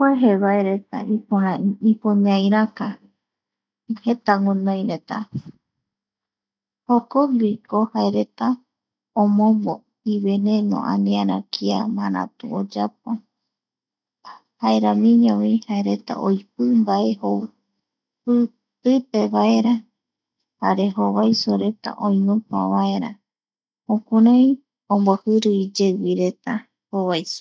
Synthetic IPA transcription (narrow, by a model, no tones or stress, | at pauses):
kweɦeβaeɾet̪a̰ipoaipõɲãj̃ɾaka | het̪aŋõnõjɾet̪a̰ | hokoŋɡikohaeɾe̞t̪a | õmõmbo | iβenẽnõ̰ʔã̰nĩaɾãkʰia̰maɾã̰t̪ṵ̃od͡ʒap̚o | haeɾamĩɲõwĩhaeɾe̞t̪a̰ʔojp̚ɨmbaeho | pɨ | t̪ɨpeβae̞ɾa | haɾe̞ɦoβajsoɾe̞t̪a̰ʔõjũpa̰βae̞ɾa | õkuɾãj | õmbohɨɾɨid͡ʒewiɾe̞t̪a | hoβajso̥